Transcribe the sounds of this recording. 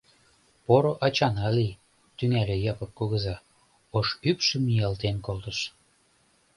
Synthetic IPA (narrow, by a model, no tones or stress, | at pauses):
poɾoʔɑt͡ɕɑnɑli | t̪yŋælĕjɑpɤ̆k̚kːuɣə̆zɑ | oʃypʃə̆miɑlt̪enkolt̪əʃ